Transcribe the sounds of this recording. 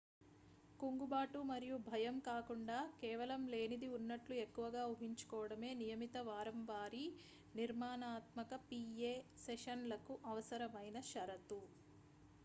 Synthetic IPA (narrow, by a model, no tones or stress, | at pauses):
kuŋɡubaːʈumɐɾijubʱɐjɐmkaːkuɳɖaːkɛːʋɐlɐmle̞ːnid̪iunːɐʈlue̞kːuʋɐɡaːuɦiɲt͡ʃu̥kɔːʋɐɽɐme̞ːnijɐmit̪ɐʋaːɾɐmʋaːɾi | niɾmaːnaːt̪mɐkɐpiːeːseʃɐnlɐkuʔɐʋɐsɐɾɐmɐjnɐʃɐɾɐt̪u